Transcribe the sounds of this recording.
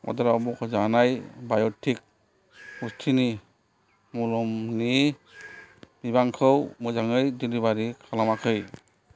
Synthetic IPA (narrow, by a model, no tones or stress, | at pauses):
ɔ̰daɾabɔkʰɔzanajbajɔtʰik̚ | ustʰini | mɔlɔmni | biβaŋkʰɯwmɯzaŋɯjdilibaɾikʰalamakʰɯj